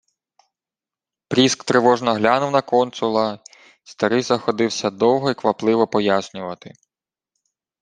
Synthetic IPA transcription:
pɾʲiskt̪ɾɪʋɔʒnɔɦlʲanʊwnɐkɔnt̪sʊlˠɐ | st̪ɐɾɪjzɐxɔd̪ɪwsʲɐd̪ɔwɦɔikʋɐplˠɪʋɔpɔjasʲnʲʊʋɐt̪ɪ

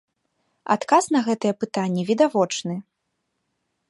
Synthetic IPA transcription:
a̰t̪kasn̪ɐɣɛt̪ɨjɛpɨt̪anʲːɛvʲid̪avɔt͡ʂnɨ

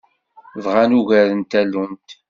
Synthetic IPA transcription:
vʁanuʝæðənt̪ælːunt̪

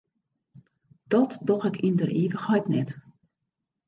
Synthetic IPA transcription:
d̥ɔtdɔxɛkʰindərʔiːʋəxhɔjtnɛt

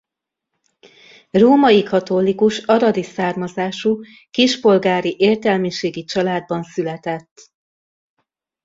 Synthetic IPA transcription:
roːmɒjikʰɒt̪olikuʃɒɾɒd̪isaːrmɒzaːʃu | kiʃpo̞lɡaːɾiʔeːrt̪ɛlmiʃeːɡit͡ʃɒlaːd̪̚bɒnsylɛt̪ɛt̪ː

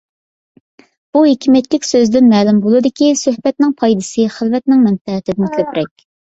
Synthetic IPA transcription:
b̥uɦekʲʰimɛt̪lʲɪkʲsøzd̪ɪnmɛːlɪmbolˠɨd̪ɪkʲisøhbɛt̪̚nɪŋpʰɑjd̪ɨsɨχəlvɛt̪nɪŋmɛnfɛɪt̪ʰɪd̪ɪnkʲʰøpɾɛkʲ

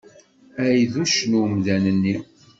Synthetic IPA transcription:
æjðuʃnumðænənːi

